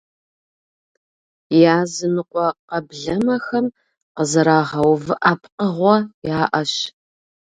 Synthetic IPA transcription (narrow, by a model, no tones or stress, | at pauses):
jaːzɨnɨqʷɔqɐbɮɐmɐxɐm | qəzɐɾaːʁɐwvɨʔaːpʰqəʁʷɔjaːʔɐɕ